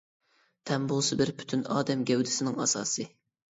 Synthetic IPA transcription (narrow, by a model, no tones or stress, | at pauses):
t̪ʰɛmbolˠsɨbɪɾpʰy̥t̪ʰynɑ̰ːd̪ɛmɡʲɛwd̪ɪsɪnɪŋɑsɑːsɨ